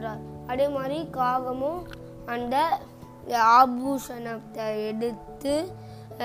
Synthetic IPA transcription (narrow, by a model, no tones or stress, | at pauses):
ɾaːɾɐðeːmaːd̪ɾikaːɣɐmõ | ɐnd̪ɐ | aːbuːʂɐnɐt̪ːɐɛɽɯt̪ːɯ